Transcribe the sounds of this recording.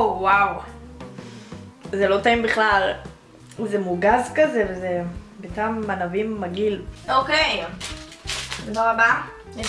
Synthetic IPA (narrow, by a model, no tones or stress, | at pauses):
owaw | zelo̞taimbiχlal | zemuɡazkazevezebetamːanavimːaɡilokej | dbaʁaba